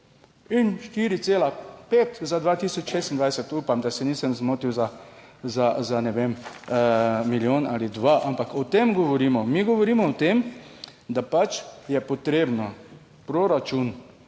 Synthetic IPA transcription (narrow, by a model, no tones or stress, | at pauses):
inʃt̪iːɾit̪seːlapeːt̪zad̪ʋaːt̪isɔt͡ʃʃeːst̪ind̪ʋajsɛt̪uːpamd̪asɛniːsəmzmoːt̪iwza | zazanɛʋem | miljoːna̰ːlid̪ʋaʔampakɔt̪emɡɔʋɔɾiːmɔmiːɡɔʋɔɾiːmɔːt̪em | d̪apat͡ʃjɛpɔt̪ɾeːbnɔ | pɾoɾat͡ʃun